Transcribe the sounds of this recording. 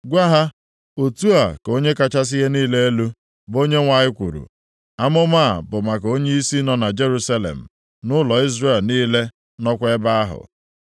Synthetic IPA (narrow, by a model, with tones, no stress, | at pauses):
ɡʷa˦ɦa˦ | o˨tu˦a˨ko˦ɲe˦ka˦t͡ʃa˦s̬ɪ˦ɦe˦niː˦le˦e˦lu˦ | bo˦ɲe˦ŋʷa˨ɲɪ˦kʷu˨ɾṵ˨ | a˦mʊ˦ma˦˨bʊ˨ma˨ko˦ɲe˦i˦si˦nɔ˨na˨d͡ʒe˦ɾu˦sa˦lḛ˨m̩˨ | nʊ˦lɔ˨i˦zre˦˨lniː˦le˦ | nɔ˦kʷe˦ba˦a˦ɦʊ̰˨